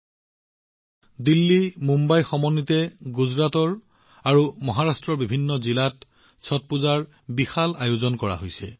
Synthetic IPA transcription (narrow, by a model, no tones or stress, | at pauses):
dilːimumbajxɔmɔnːitɛɡuzɹatɔɹ | aɹumɔɦaɹastɹɔɹbibʱinːɔzilat | sʰɔt̚puzaɹ | bixalajozɔnkɔɹa̰ɦojsɛ̰